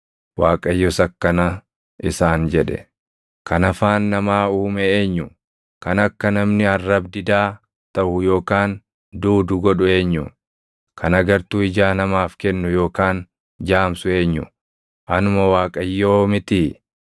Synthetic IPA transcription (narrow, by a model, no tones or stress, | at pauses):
waːkʼɐjːɔsɐkːɐnɐ | ʔɪsaːnd͡ʒɛᶑɛ̰ | kɐnɐfaːnːɐmaːuːmɛeːɲːʊ | kɐnɐkːɐnɐmnɪɐrːɐbd̪ɪd̪aː | t̪ɐʔʊjo̞ːkaːn | d̪uːd̪ʊɡɔɗʊe̞ːɲːʊ̰ | kɐnɐɡɐɾt̪uːɪd͡ʒaːnɐmaːfkɛnːʊjo̞ːkaːn | d͡ʒaːmsʊe̞ːɲːʊ̰ | ʔɐnʊmowaːkʼɐjːoːmɪt̪ɪ